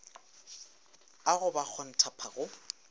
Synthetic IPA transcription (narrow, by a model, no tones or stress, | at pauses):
aɣʊbak͡xʰɔn̩tʰapʰaɣʊ